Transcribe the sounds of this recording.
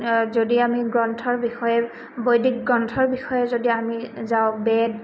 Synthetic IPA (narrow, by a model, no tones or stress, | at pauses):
zodiamiɡɹɔntʰɔɹbixɔjɛ | bojdik̚ɡɹɔntʰɔɹbixɔjɛzodiamizaʊ̃bɛd̚